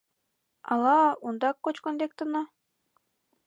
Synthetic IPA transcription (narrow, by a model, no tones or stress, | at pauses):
ɑlˠɑund̪ɑkːot͡ɕkond̪ʲekt̪ɤnɑ